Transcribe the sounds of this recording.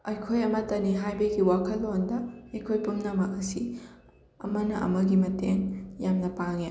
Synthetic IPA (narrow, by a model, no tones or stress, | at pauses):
ɐjkʰojɐmɐtɐniɦajbɐɡiwakʰɐlːondɐɐjkʰojpumnɐmɐkɐsi | ɐ̰mɐnɐʔɐ̰mɐɡimɐteŋjamnɐpaŋe